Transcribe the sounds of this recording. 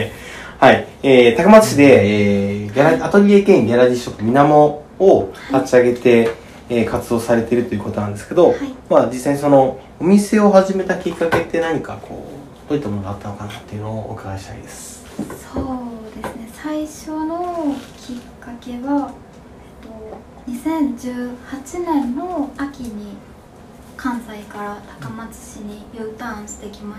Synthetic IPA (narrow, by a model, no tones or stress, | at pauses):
haieːt̪akɯmat͡sɨ̥ɕid̪e̞eːjaɾaat̪oɾʲiekẽ̞ŋjʲaɾadʲiɕokɯmʲinamo̞ː | kʰat͡ɕiaɡe̞t̪e̞ː | kat͡sɨd̪o̞ːsaɾe̞t̪e̞ɾɯ̟t̪o̞jɯ̟ko̞t̪o̞nãnd̪esɨ̥ke̞d̪o̞aimad͡ʑisːaiɲ̟iso̞no̞ | omʲise̞o̞ɦaʑime̞t̪akʲikːake̞t̪ːe̞naɲ̟ikakʰo̞̰ː | d̪̥oːit̪ːamo̞noɡat̪ːano̞kanat̪ːe̞iɯ̟nooo̰ːkaɡaɕi̥t̪a̰ḭd̪esɨ̥ | soːd̪e̞sɨne̞saiɕo̞no̞kʲʰikːake̞βa | et̪o̞ | ɲ̟isẽ̞ɲd͡ʑɨːhat͡ɕinẽ̞nːo̞akʲiɲ̟i | kʰãñzaikaɾat̪ḁkamat͡sɨ̥ɕiɲ̟ijɯːt̪ãɕi̥t̪e̞ikʲima